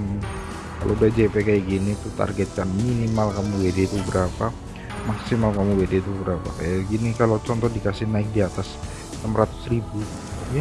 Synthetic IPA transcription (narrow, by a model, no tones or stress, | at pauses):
mə | ka̰lo̰udahd͡ʒepekajaɡinit̪ut̪a̰rɡɛt̪̚kanminimalkamuwedet̪ubəɾapa | maksimalkamuwedet̪ubəɾapa̰kajaɡinikalot͡ʃɔnt̪ɔdikasɪhnaɪk̚diat̪as | namɾat̪ʊ̥sribuɡit̪uja